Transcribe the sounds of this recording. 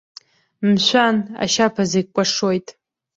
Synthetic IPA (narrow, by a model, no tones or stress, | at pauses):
mʃʷana̰ʃapʰazekʷʼaʂojtʼ